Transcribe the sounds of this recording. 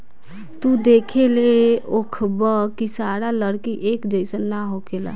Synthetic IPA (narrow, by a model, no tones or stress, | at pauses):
t̪ud̪ekʰeleokʰbəkisaɽaləɽkiʔekd͡ʒəɪsənːaɦokela̰